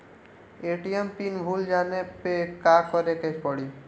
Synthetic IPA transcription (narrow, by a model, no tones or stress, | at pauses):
eʈiempinbʱuld͡ʒanepekakɔɾekepɔɽi